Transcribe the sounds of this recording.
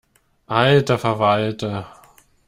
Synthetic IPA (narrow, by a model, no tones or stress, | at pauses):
ʔaltɐfɛɐvaltɐ